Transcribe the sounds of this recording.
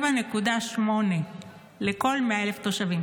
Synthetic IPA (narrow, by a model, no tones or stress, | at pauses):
bane̞kud̪aʃmo̞ne̞ | leko̞lmeaele̞ft̪oʃavi